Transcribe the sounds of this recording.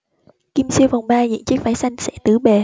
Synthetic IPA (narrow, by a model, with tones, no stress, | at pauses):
ki˧msi˧əwfa˨˩wŋ͡mɓaː˧zḭ˧˨nt͡ɕɨ˦˥k̚faː˧˦jsa˧jŋ̟sɛ̰˧˥t̪ɨ˧˩˦ɓe˨˩